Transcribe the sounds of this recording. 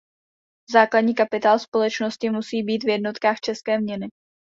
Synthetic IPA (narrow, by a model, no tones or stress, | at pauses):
zaːkladɲiːkapɪt̪aːlspo̞lɛt͡ʃnoscɪmusiːbiːt̪vjɛdno̞t̪kaːxt͡ʃɛskɛːmɲɛnɪ